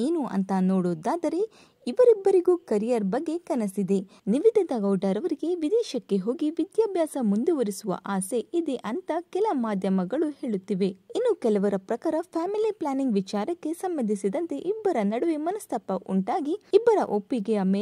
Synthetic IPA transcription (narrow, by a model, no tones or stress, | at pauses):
eːnuʔɐ̰nt̪ɐnoːɽoːd̪aːd̪ɐɾe̞ | iʋɐɾibːɐɾiɡukɐɾijɐɾbɐɡːe̞kɐnɐsid̪e̞ | niʋid̪ʱɐd̪ɐɡɐwɖɐɾɐʋɐɾiɡe̞ʋid̪ɛːʃɐkːe̞ɦo̞ːɡiʋid̪jaːbʱjaːsɐmund̪uʋɐɾisuʋɐ̰ʔaːse̞id̪eʔɐnt̪ɐkɛlɐmaːd̪ʱjɐmɐɡɐɭuhe̞ːɭut̪ːiʋe̞inːukɛlɐʋɐɾɐpɾɐkaːɾɐpʰaːmiliplaːniŋɡʋit͡ʃaːɾɐkːe̞sɐmbɐnd̪ʱisid̪ɐnt̪e̞ʔibːɐɾɐnɐɽɐʋimɐnɐst̪ʰɐpːɐʔuɳʈaːɡiibːɐɾɐ̰ʔopːiɡɛɐmeː